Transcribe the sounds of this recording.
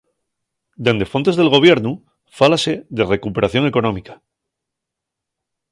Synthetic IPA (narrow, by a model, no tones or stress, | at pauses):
d̪e̞nd̪e̞fo̞nt̪eðe̞lɣo̞β̞je̞ɾnu | falaseðere̞kupe̞ɾaθjo̞ŋe̞ko̞nõmikḁ